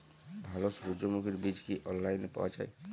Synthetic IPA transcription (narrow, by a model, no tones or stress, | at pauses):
bʱalɔsɾud͡ʒomukiɾbid͡ʒkiʔɔnlajnpa̰wad͡ʒa̰e